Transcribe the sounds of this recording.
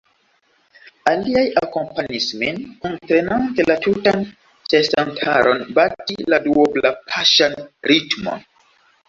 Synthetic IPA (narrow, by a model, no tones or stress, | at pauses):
aliajako̞mpaɲisminontɾenantelatutan | sesantʰa̰ɾo̞nbatiladuoblapʰaʃanɾitmo̰n